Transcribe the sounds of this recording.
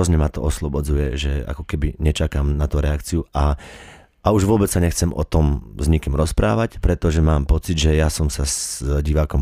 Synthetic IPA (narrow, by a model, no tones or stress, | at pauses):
ɔzɲɛmat̪ɔɔslɔbɔd͡zujɛʒɛa̰kɔkɛbiɲɛt͡ʃakaːmnat̪ɔɾɛakt͡siua | auʒʋʊɔbɛt͡ssːaɲɛxt͡sɛmʔɔ̰t̪ɔmzɲikimɾɔspɾa̰ːʋacpɾɛt̪ɔʒɛmaːmpɔt͡sidʒɛjasɔmsazɟiʋaːkɔm